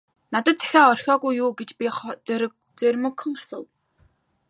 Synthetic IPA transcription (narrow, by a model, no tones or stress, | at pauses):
nat̪ə̆t̪̚t͡sʰæ̥xʲaːɔr̥ʲxʲɔːɣujːuːɡet͡ɕpʲiχ | t͡serʲmɵ̆kʰːə̆ŋasə̆w